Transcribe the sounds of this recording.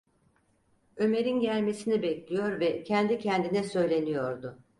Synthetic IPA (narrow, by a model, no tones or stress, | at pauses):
ø̞me̞ɾinɟælʲme̞sinibɛclʲijo̞ɾvɛcʰɛnd̪icʰɛnd̪inɛsø̞jlʲe̞nijo̞ɾd̪ʊ